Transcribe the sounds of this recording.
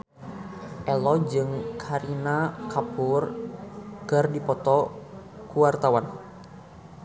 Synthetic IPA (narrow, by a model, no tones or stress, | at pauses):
ʔɛlɔd͡ʒɨŋkʰaɾinakapur | kɨrdipɔt̪ɔkuwart̪awan